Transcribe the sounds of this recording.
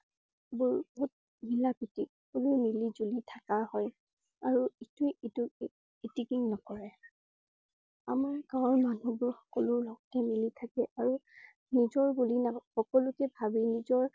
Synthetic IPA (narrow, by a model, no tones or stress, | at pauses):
bʊɹbɔɦut̚ | milapitixɔkɔlʊjmilizulitʰakahɔj | aɹuitʊjitu | itikiŋnɔkɔɹɛ | amaɹkãɔ̃nmanubʊɹxɔ̥kɔlʊɹlɔɡɔtɛmilitʰakɛʔaɹu | nizɔɹbulinaxɔkɔlʊkɛbʱabinizɔɹ